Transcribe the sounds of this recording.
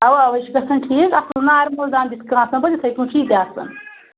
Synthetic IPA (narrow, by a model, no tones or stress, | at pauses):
ɐʋɐɐʋɐʃkɐsɐnʈʰiːkɐslnaːɾmuld̪aːnbiskãːnsɐnbɐd̪ʲit̪ʰɐjkũːʈ͡ʂʰiːd̪ʲjaːsɐ̰n